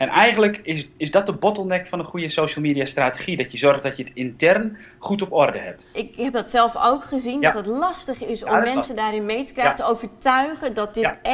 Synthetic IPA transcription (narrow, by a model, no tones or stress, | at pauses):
ɛnɛjɣənləkɪɪsdɔt̚dəbɔtəl̩ˠnɛkfɔnəχujəsowʃəlˠmiːdiastraːteχidɔtjəzɔrχdɔtjətɪntɛrn | χutɔpɔrdəhɛ̰p̚tɪkɦɛp̚dɔtsɛlˠfo̰wkχəzindɔtətlɑstəχɪsɔmmɛnsədaːɾɪnmejtə̥krɛjxəntəowvərtœɥχədɔt̚dɪt